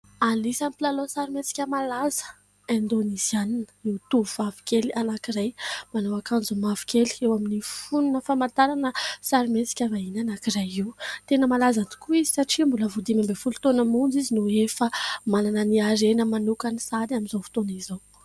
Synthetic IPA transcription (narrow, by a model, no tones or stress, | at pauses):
alisamipilalosaɾimet͡si̥kʲəmalazə̥ | ẽnd̪onizianinəiwt̪uuvavi̥kelianakiɾajmanowakand͡zumavi̥kʰʲeli̥ewaminifununəfamant̪aɾanəsaɾimet͡si̥kʲavainanakirajiwt̪enəmalazant̪u̥kuizi̥saʈ͡ʂimbuləvud̪imambefulut̪onəmund͡zizinuefəmalanəniaɾenəmanukənisad̪aminzofu̥t̪onizow